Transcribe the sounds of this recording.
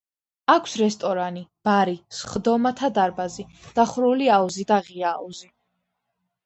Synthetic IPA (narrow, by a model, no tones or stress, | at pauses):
akʰsɾɛst̪ʼɔɾanib̥aɾisχd̪ɔmat̪ʰad̪aɾbazid̪̥aχɾuliauzid̪aʁiaːuzi